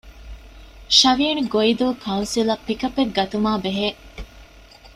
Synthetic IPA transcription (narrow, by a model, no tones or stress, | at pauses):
ʃɐʋiɐniɡoid̪uːkʰɐunsilɐpːikɐpeɡɐt̪umaːbeɦeː